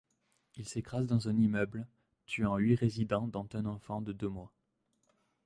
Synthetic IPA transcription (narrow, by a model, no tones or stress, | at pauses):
ilsekχazd̪ɑ̃zɛ̃nimœbl | t̪ʰyɑ̃lɥiʁezid̪ɑ̃d̪ɑ̃t̪ɛ̃nɑ̃fɑ̃d̪əd̪ømwa